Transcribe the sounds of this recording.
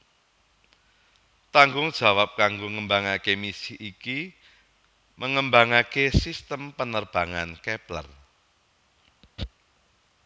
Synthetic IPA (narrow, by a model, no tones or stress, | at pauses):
t̪aŋɡʊŋd̥ʒ̥a̤wap̚kaŋɡoŋəmbaŋakemisɪhiki | mʔəŋəmbaŋakesist̪əmpənərb̥a̤ŋankɛplə̰r